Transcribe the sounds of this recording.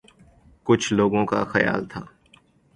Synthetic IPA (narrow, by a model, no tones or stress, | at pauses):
kʊt͡ʃʰloːɡõka̰xɐja̰ːlt̪ʰaː